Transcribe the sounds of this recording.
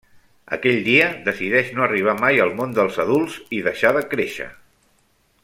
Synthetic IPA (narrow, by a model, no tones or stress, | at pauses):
ə̰kɛʎd̪iəðəsiðɛʃnoəriβ̞amajəlˠmond̪əlˠzəðulˠz̥iðəʃaðəkɾeʃə̰